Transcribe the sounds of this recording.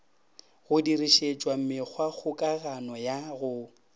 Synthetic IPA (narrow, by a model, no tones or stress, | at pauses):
ɣʊdiriʃet͡ʃʼwam̩mɪk͡xʰwaɣʰʊkʼaɣanɔjaɣʊ